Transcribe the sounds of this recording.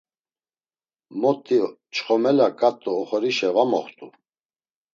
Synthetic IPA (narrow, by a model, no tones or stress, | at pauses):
mɔt̪ʰʼːit͡ʃʼχɔmɛlakʼat̪ʼːuɔχɔɾiʃɛvamɔ̰χt̪ʼu